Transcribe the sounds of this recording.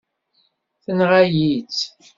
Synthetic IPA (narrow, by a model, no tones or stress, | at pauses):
θənʁajit͡s